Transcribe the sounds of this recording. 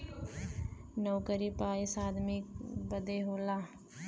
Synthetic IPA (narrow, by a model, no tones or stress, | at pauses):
nəwkəɾipaːisaːd̪mikbəd̪eɦoːlaː